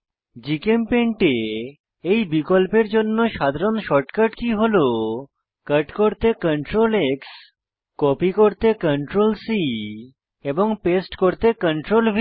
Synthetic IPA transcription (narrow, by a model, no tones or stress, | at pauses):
d͡ʑikempeɳʈe | ejbikolpeɾd͡ʑonːoʃad̪ʱaɾonʃɔʈkəʈkiɦolo | kəʈkoɾt̪ekəɳʈɾoleks | kɔpikoɾt̪ekəɳʈɾolsi | eboŋpesʈkoɾt̪ekəɳʈɾolbʱi